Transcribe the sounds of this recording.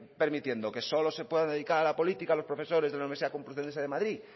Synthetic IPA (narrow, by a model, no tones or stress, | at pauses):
pe̞ɾmit̪je̞nd̪o̞ke̞so̞lo̞se̞pwe̞ðand̪eðikaɾalapo̞lit̪ikalo̞spɾo̞fe̞so̞ɾezðelaniβsiðakompluθeseðemaðɾi